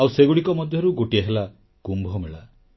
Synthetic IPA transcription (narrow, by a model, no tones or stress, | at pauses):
awseɡuɽikɔmɔd̪ʱjɔɾuɡoʈiaɦela | kumbʱɔmeɭa